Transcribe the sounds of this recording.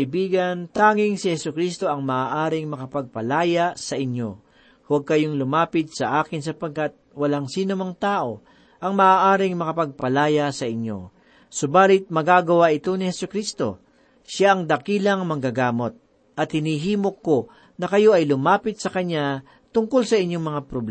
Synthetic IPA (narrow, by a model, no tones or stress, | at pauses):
ɐɪbiːɡɐnt̪aːŋɪŋsɪhɛsʊkɾiːst̪o̞ʔɐŋmɐʔaːʔaːɾɪŋmɐkɐpɐɡ̚pɐlaːjasɐʔɪnjo̞̰ | hwɐɡ̚kɐjoŋlʊmaːpɪt̪̚sɐʔaːkɪnsɐpɐɡ̚kat̪̚wɐlaŋsiːnomɐŋt̪aːʔo̞ | ʔɐŋmɐʔaːʔaːɾɪŋmɐkɐpɐɡ̚pɐlaːjasɐʔɪɲjo̞̰ | sʊbaːlɪt̪̚mɐɡaːɡɐwaʔɪt̪o̞nɪhɛsʊkɾiːst̪o̞̰ | ʃaʔɐŋd̪ɐkiːlɐŋmɐŋɡaɡaːmo̞t̪̚ | ʔɐt̪̚hɪnhiːɦiːmo̞kːo̞ | nɐkɐjo̞ɐjlʊmaːpɪt̪̚sɐkɐɲja | t̪ʊŋko̞lsɐʔɪɲjo̞ŋmɐŋapɾobɛ